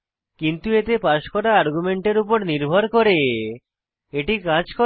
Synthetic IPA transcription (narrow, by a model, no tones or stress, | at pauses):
kint̪uet̪epaʃkɔɾaaɾɡumeɳʈeɾupoɾniɾbʱoɾkoɾe | eʈikãd͡ʑko